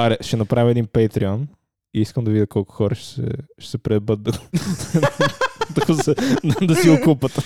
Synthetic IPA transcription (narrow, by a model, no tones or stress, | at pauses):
aɾɛʃɛnɐpɾavʲəɛd̪inpɛjt̪ɾiɔn | iiskəmd̪ɐvid̪ʲɐkʰɔlˠkʊ̥xɔɾɐʃɛ̥sɛ̰ʃɛ̥sɛpɾɛbət̪̚d̪ɐ | t̪kzɐd̪d̪ɐsiʊkupət̪